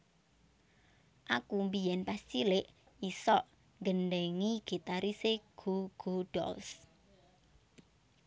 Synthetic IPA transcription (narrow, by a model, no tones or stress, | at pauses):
ʔakumbijɛnpast͡ʃilɪʔ | isɔʔ | ŋɡənɖɛŋiɡ̥i̤t̪aɾiseɡ̥uɡ̥uɖ̥ɔ̰ls